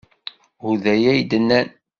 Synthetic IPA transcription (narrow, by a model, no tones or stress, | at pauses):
uðæjæjd̪ənːæn